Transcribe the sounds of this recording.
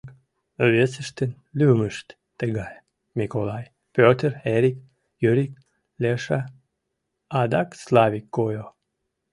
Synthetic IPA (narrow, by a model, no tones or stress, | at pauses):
k | βesəʃt̪ən | lyməʃt̪ːəɣɑj | mʲikolˠɑj | pʲøt̪əreɾʲik̚ | jyɾʲik̚ | lʲeʃa | ɑd̪ɑkslɑβʲikːojo